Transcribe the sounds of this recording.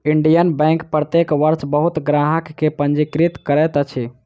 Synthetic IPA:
iɳɖijənbɛ̃ŋkpɾət̪ekʋəɾt͡ʃbəɦut̪ɡɾaɦəkːepənd͡ʒikɾit̪kəɾɛt̪ət͡ʃʰi

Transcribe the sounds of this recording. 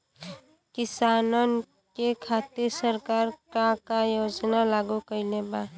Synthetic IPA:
kɪsaːnən | kekʰaːt̪ɪɾsəɾkaːɾkakajoːd͡ʒnalaːɡukəilebaː

